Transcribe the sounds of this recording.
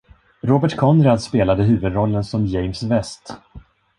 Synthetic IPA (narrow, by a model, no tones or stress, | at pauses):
ɾoːbəʈkʰɔnd̪ɾad̪speːlad̪əɦʉ̟ːvɵd̪ɾɔlːənsɔmjɛjmsvɛst̪